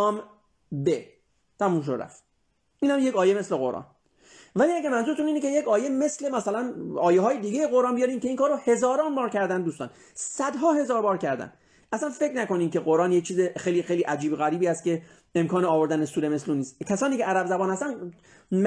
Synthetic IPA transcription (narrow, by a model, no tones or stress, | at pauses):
m | be | t̪ʰæmuːmʃ̬oɾæ̰ft̪ | iːnhæmjecɒːje̞me̞sleɣo̞̰ɾʔɒ̰ːn | væliæɡæɾmænzuɾet̪ʰuniːnecejecɒːjeme̞sle̞mæsælænɒːjeɦɒːjed̪iːɡejeɣoɾɑːnbijɒːɾiːmcʰeiŋkɒːɾohe̞zɒːɾɒːnbɒːɾcʰæɾd̪ænd̪uːst̪ɒ̰ːn | sæd̪ɦɒːhe̞zɒːɾbɒːɾcʰæɾd̪æ̰n | ʔæsænfe̞cɾnæko̞niːmcʰe̞ɣoɾɒːnje̞c̚t͡ʃʰiːzexejliːxejliʔæd͡ʒiːboɣæɾiːbiːæst̪̚cʰe̞ | emkɒːneɒːvo̞ɾd̪ænesuːɾeme̞sluːnːiːst̪cʰæsɒːniːcʰeʔæɾæbzæbɒːnhæst̪æn | m